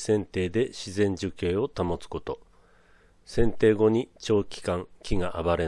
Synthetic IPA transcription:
sẽ̞nt̪e̞ːd̪e̞ɕizẽ̞ɲ̟d͡ʑɨke̞ːo̞t̪amo̞t͡sɨ̥ko̞t̪o̞ | sẽ̞nt̪e̞ːɡo̞ɲ̟it͡ɕo̞ːkʲi̥kãŋkʲiɡaʔaβaɾe̞

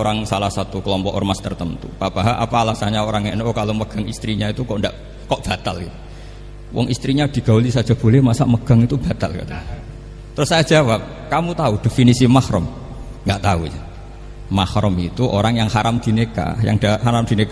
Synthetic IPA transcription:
oɾaŋsalahsat̪ukəlɔmpɔʔɔ̰rmast̪ərt̪ənt̪ṵpab̥aɦaʔa̰paːlasaɲaoɾaŋɛʔnʔokaloməɡ̥aŋist̪ɾiɲait̪ukɔʔndaʔ | kɔʔb̥a̤t̪alit̪u | wʔɔ̰ŋʔist̪ɾiɲad̥i̤ɡ̥a̤ulisḁd͡ʒab̥o̤lɛhmasa̰ʔməɡ̥a̤ŋit̪ub̥a̤t̪alka̰t̪a | t̪əɾʊsːajad͡ʒawap̚ | kamut̪aud̥efinisimahɾʊ̰m | ŋɡaʔt̪aud͡ʒa | mahɾʊmit̪uʔoɾaŋjaŋhaɾamd̪̥i̤neka̰ja̰ŋd̥aɦaɾamd̪̥i̤nek

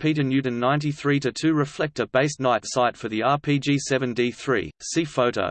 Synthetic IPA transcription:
pʰiˑɾɨ̃njʉɾɨ̃nːãɪ̃ntiθɹiːɾɨtʰʉːɹɪflɛk̚təb̥eɪsnaɪtsaɪtfə˞ðiɑːpʰid͡ʒisɛvə̃ndiθɹḭːsifəʊɾə̰ʊ

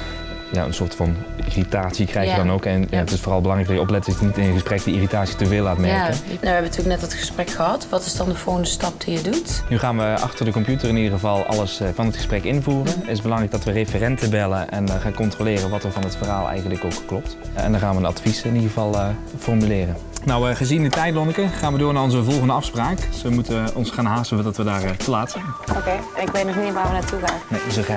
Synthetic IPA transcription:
ja̰ə̰nsʊːɹtfɑn | iritaːtsikrɛjxjədɑnowkɛnjaətɪsfʊːrɑlˠbəlɑŋrɛɡdɑjəɔplɛt̚dɑənitɪnəχəsprɛk̚diiritaːtsitəveːlˠːaːtmɛɹkənaʋɛbənətyːlək̚nɛtətχə̥sprɛkxəɦɑtʋɑtɪ̥zdɑndəvoːrɣəndəstɑp̚d̥ijədutnyχaːnʋəʔɑ̰χtərdəkɔmpjutərɪnidərʁəvɑlˠɑ̰ləsvɑnɦətχəsprɛkɪnvuːrənɪzbəlɑŋrɛjɡdɑtʋərefərɛntəbɛlənʔɛ̰nχaːnkɔntrolɪːrəʋɑtəɹvɑnətfərɦaːlˠɛ̰jχəndləkowkːlɔp̚tɛ̰ndɑnχaːnʋənɑ̰tfisɪnidʁəvɑlˠ | fɔrmylɪːrən | nɔwəχəzindətɛjdlɔnəkəχaːnʋədʊːɹnaːrɔnzəvɔlˠχəndəɑfspraːksʋəmutəɔnsχaːnɦaːstəvədɑtʋədaːrtəlaːtsɛnokejɛnɪkʋetnɔχnitʋaːɹʋənaːtuχaːnnes

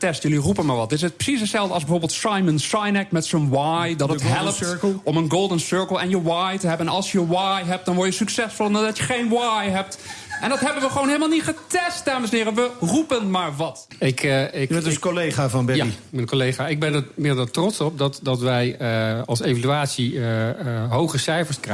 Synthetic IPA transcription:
tɛstjɵlirupənmaːɹʋɑt̚dɪsət̚prə̥sisətsɛlˠvdəɑlˠzbɛvoːɹbɪːlˠtsajmənsajnɛkmɛtsonwajdɔtətɦɛlˠəptˠɔmənɡolˠdənsøɹkəlˠɛnjəwajtəɦɛbənɑlˠsjəwajɦɛp̚t̚dɔnʋɔɹjəsyksɛsfɔlˠnadɔtjəχejnwajɦɛp̚tʔɛndɑtɦɛbənʋəχəʋownɦeɪləmalˠnitχətɛst̚daːməsənɪːrəʋərupənmaːɹʋɑt | ɪkʰɪɛskolejχaːvɑnbɛjmənkolejχaːɪɡ̚bɛnəmɪdətrɔsɔp̚dɔtdɑtʋɛjəɑlˠsejvalyaːtsi | ɦowχəsɛjfəɹskr

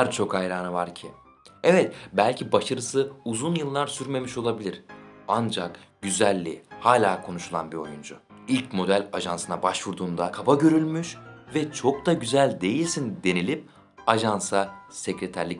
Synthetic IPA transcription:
aɾt͡ʃʰo̞kajɾaːnavaɾcʰi | ɛvɛt̪bælʲcʰibaʃaɾɯsɯuzunjɯlˠːaɾsyɾme̞miʃo̞lˠabilʲiɾand͡ʒakɟ̥yzælʲːihaːlʲaːkʰo̞nuʃulˠa̰nbio̞̰jund͡ʒʊilʲcmo̞d̪ælʲaʒansɯnabaʃvuɾd̪uːnd̪akʰabaɟø̞ɾylʲmyʃvɛt͡ʃʰo̞k̚d̪aɟyzælʲd̪e̞jilʲsind̪e̞nilʲip̚ | aʒansasecɾet̪ʰæɾlʲic

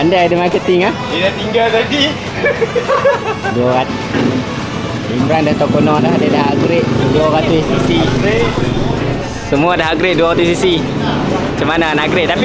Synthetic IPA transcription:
andadəmakət̪iŋahdidat̪iŋɡallaɡi | duaɣat̪ | imbɾandaht̪okonɔdaɦdedaɦaɡɾɪʔduaɣat̪usisiɾe | səmuadaɦaɡɾɪʔ̚duaɣat̪ʊsisi | t͡ʃəmananaɡɾɪʔ̚t̪api

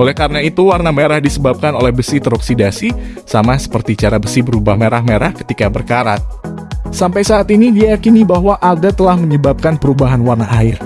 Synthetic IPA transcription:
olɛhkaɾənait̪uwarnameɾahdisəbap̚kanolɛhbəsit̪əɾɔksidasi | samasə̥pərt̪it͡ʃaɾabəsibəɾubahmeɾahmeɾahkə̥t̪ikabərkaɾat̪̚ | sampajsaːt̪inidiajakinibaɦwaʔadat̪əlahməɲəbap̚kanpəɾubaɦanwarnaʔaɪr

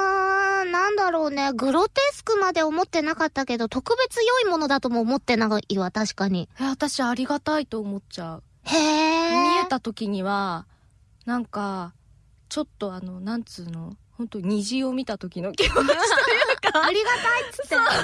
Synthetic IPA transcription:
anãnd̪aɾo̞ːne̞ɡɯ̟ɾo̞t̪e̞sɨ̥kɯ̟mad̪e̞o̞mo̞t̪ːe̞nakat̪ːake̞d̪o̞t̪o̞kɯ̟be̞t͡sɨjo̞imo̞no̞d̪at̪o̞moːmo̞t̪ːe̞naɡiβat̪aɕi̥kaɲ̟ieat̪aɕiːɾʲiɡat̪ait̪o̞ːmo̞tt͡ɕaɯ | heːmʲie̞t̪at̪o̞kʲiɲ̟iβa | nãŋka | t͡ɕo̞t̪ːo̞ano̞nãnt͡sɨːno̞hõ̞nt̪o̞ɲ̟iʑio̞mʲit̪at̪o̞kʲinokʲimo | kaaɾʲiɡat̪ait̪ːɨ̥t̪ːe

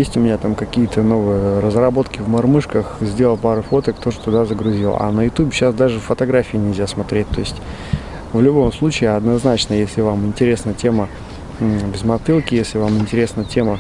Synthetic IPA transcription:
jesʲtʲʊmʲɪnʲat̪amkɐkʲijət̪ʰəno̞vɨjəɾəzrɐbo̞t̪kʲɪvmɐrmɨʂkəxzʲdʲe̞lˠəlˠpaɾəfo̞t̪əkt̪o̞ʐət̪ʊd̪azəɡɾʊzʲilˠa̰nəjʊt̪ubʲɪɕːasd̪aʐɨffːət̪ɐɡɾafʲɪːnʲɪlʲzʲasmɐt̪ɾʲet̚ʲt̪ːo̞ɪsʲtʲ | vlʲʊbo̞mslˠut͡ɕɪːɐd̪nɐznat͡ɕnəjesʲlʲɪvamɪnʲtʲɪɾʲe̞snəjətʲʰe̞mə | bʲɪzmɐt̪ɨlˠkʲɪjesʲlʲɪvamɪnʲtʲɪɾʲe̞snəjətʲe̞mə

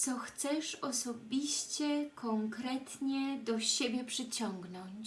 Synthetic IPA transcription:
sɔxt̪sɛʂɔsɔbʲiɕt͡ɕɛkʰɔŋkɾɛt̪ɲɛd̪ɔɕebʲjɛpʂɘt͡ɕɔŋɡnɔɲt͡ɕ

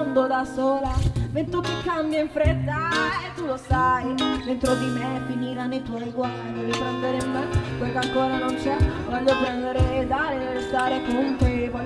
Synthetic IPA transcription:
nd̪od̪asoːlament̪ukːekːambjaiɱfɾet̪ːaet̪ːulosajd̪ent̪ɾod̪imefiniɾanːit̪wɔjɡwaɾɾipɾɛnd̪eɾemːekwelkeaŋkoːɾanont͡ʃɛkwand̪opɾɛnd̪eɾed̪aːɾeɾest̪aːɾekont̪epɔ

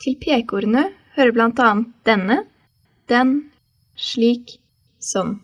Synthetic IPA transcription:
t̪ʰɪlpʰeːkuːɾnəhøːɾəblɑnt̪ɑːnt̪̚d̪̥ɛnə | d̪̥ɛn | ʃɭiːk | sɔm

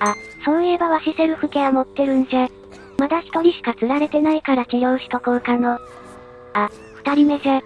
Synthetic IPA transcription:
asõ̞ɰebaβaɕise̞ɾɯ̟ɸɯ̟keamo̞t̪ːe̞ɾɯ̟̃nse | mad̪açi̥t̪o̞ɾʲiɕi̥kat͡sɨɾaɾe̞t̪e̞naikaɾat͡ɕijoːɕi̥t̪o̞koɯ̟kano | a | ɸɯ̥t̪aɾʲime̞se

